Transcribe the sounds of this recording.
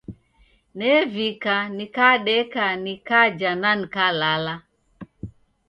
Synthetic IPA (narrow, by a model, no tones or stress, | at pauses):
nɛvikanikaɗɛkanikad͡ʒananikalala